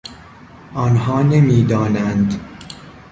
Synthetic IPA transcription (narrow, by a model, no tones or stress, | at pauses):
ʔɒnɦɒːnemiːd̪ɒːnænd̪